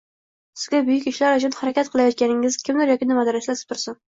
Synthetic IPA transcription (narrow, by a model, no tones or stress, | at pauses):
sɪzɡʲabʊjykʲɪʃlæɾæd͡ʒunhaɾɛkʲat̪̚qʰəlˠajɒt̪̚kʲænɪŋɪz̥kʲɪmd̪ɪɾjɒkʲɪnɪmɑd̪ɑɾaslasɪ̥p̚t̪ʰʊɾsɪn